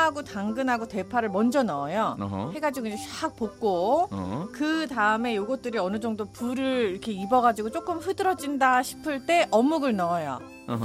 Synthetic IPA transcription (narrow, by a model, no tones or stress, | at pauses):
aɡotaŋɡɯnɦaɡote̞pʰaɾɯɭmʌnd͡ʑʌnʌjohe̞ɡad͡ʑiɡoiɲd͡ʑet͡ɕak̚pok͈o | kɯtaɯme̞joɡʌt̚t͈ɯɾiʌnɯd͡ʑʌŋdopuɾɯɾiɾʌkʰe̞ibʌɡad͡ʑiɡot͡ɕ͈ok͈ɯmɸɯdɯɾʌd͡ʑindaɕʰi̥pʰɯɭt͈e̞ʔʌmːuɡɯɭnʌːjo̰